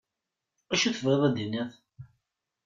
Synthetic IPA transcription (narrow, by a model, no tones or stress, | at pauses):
æʃuθəvʁeðˤæd̪inæθ